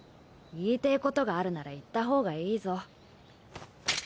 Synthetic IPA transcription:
iːt̪e̞ko̞t̪o̞ɡaːɾɯ̟naɾait̪ːaɦo̞ːɡaiːzo̞

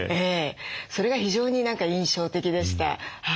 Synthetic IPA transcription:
eːso̞ɾe̞ɡaçiʑo̞ːɲ̟inãŋkaĩɰ̃ɕo̞ːt̪e̞kʲid̪e̞ɕi̥t̪a̰ha

